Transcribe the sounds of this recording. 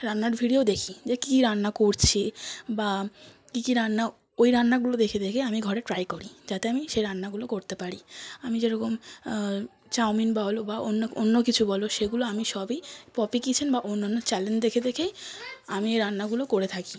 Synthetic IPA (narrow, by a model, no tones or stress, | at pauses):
ɾanːaɾbʱiɖiod̪ekʰid͡ʑekikiɾanːakoɾt͡ɕʰeba | kikiɾanːa | ojɾanːaɡulod̪ekʰed̪ekʰeamiɡʱɔɾeʈɾajkoɾid͡ʑat̪eamiʃejɾanːaɡulokoɾt̪epaɾiamid͡ʑeɾɔkom | t͡ɕawminbaɦolobaonːoonːokit͡ɕʰubɔloʃeɡuloamiʃɔbejpɔpikit͡ɕʰenbaʔonːanːot͡ɕɛlend͡ʑd̪ekʰed̪ekʰeamieɾanːaɡulokoɾet̪ʰaki̥